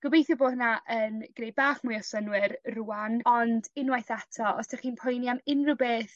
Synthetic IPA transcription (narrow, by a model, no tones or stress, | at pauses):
ɡ̥ʊbejθjɔboːnaʔənɡ̥nejbaːχmʊjɔsənwɪɾruːanɔndɪnwajθatʰɔɔ̰sd̥ʰaχiːnpʰɔjniamɪnrɪwbeːθ